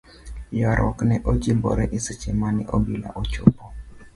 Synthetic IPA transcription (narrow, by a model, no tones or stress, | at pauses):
jɔɾʔɔ̰knɛʔod͡ʒimbɔ̰ɾɛʔisit͡ʃemanɛ̰ʔobila̰ʔot͡ʃopɔ